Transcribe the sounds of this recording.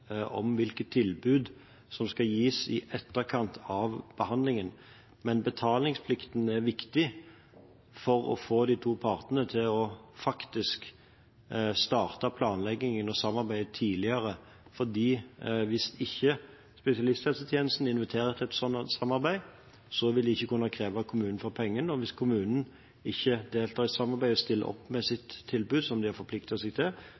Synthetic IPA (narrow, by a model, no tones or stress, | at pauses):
ɔ̰mʋɪlkət̪ʰːɪlbʉːd̪ | sɔmskɑjiːsɪʔɛt̪ːəʁkʰɑnt̪ʰɑʋb̥əhɑnd̪lɪŋən | mɛnbət̪ʰɑːlɪŋspʰlɪkt̪n̩æɾʋɪkt̪ɪ | fɔɾɔ̰foːd̪iːt̪ʰuːpʰɑːʁt̪ənət̪ʰɪlɔfɑkt̪ɪsk | st̪ɑːʁt̪əpʰlɑːnlɛɡɪŋənɔsɑmːɑʁbæɪd̪t̪ʰiːlɪəɾə | fɔʁd̪iːʋɪsɪçːə | spɛsɪɑlɪst̪ɛlsət̪ʰjeːnəst̪n̩ɪnʋɪt̪ʰeːɾəɛt̪ʰɛt̪sɔnːsɑmːɑɾbæɪ | sɔʋɪld̪ɪɪçːəkʉnːɑkʰʁeːʋɑkʰʊmʉːnn̩fɔɾpʰɛŋːənəɔʋɪskʰʊmʉːnn̩ | ɪçːəd̪eːlt̪ʰɑːʁɪt̪sɑmːɑʁbæɪɔst̪ɪlːə̰ʔɔ̰pːmɛsɪt̪ʰːɪlbʉːd̪sɔmd̪ɪæɾfɔpʰlɪk̚t̪ɑsɛɡt̪ʰɪl